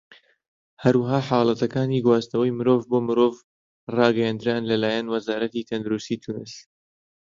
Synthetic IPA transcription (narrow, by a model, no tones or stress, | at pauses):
hɐɾwaɦaːħɑːlˠɐt̪ʰɐkaːniːɡwaːst̪ɐwɐjmɨɾoːvboːmɨɾoːv | rɑːɡɐjaːnd̪ɨɾaːnlɐlaːjɛnwɐzaːɾɐt̪iːt̪ʰɐnd̪ɾust̪iːt̪ʰunɨs